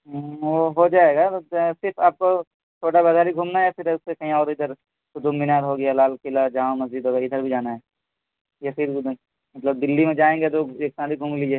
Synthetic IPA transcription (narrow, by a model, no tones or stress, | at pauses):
ʋoɦod͡ʒaːeːɡat̪osɪɾfaːp̚ko | t͡ʃʰoːʈabɐzʱaːɾiɡʱuːmnaɦɛfʰɪɾsekɐɦĩɔːɾɪd̪əɾ | tod͡ʒʊmːɪnaːɾɦoɡɐjalaːlkɪlad͡ʒaːõmɐzd͡ʒid̪ɦoːɡaɪd̪əɾbʱid͡ʒaːnaɦɛː | jafʰɪɾ | mɐt̪ləb̚d̪ɪlːimẽd͡ʒaːẽːŋɡet̪oeːk̚sãːɾiɡʱuːmlid͡ʒeː